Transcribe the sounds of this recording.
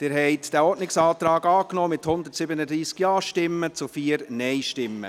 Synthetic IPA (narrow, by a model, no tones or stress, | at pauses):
d̥ɪːɾɦɛɪtd̥æːɔːdnɪksɑːt̪ɾɑːɡɑːknɔːmɪthʊnd̪ətsɪbənəd̪ɾiːskjɑːʃtɪmːət͡sufiːəɾnɛɪʃtɪmːə̰